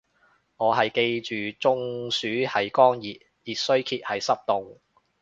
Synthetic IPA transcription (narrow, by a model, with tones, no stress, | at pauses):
ŋɔː˨˧ɦɐ˨jke˧jt͡ʃyː˨t͡sʊ˧ŋsyː˨˥hɐ˨jkɔː˥ŋjiː˨t̚ | jiː˨t̚sɵ˥ɥkʰiː˧t̚hɐ˨jsɐ˥p̚t̪ʊ˨ŋ